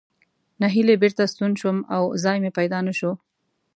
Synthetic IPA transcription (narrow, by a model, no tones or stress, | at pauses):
naɦilebeɾt̪ast̪unʃwəma̰wzɑjmepajd̪ɑnaʃo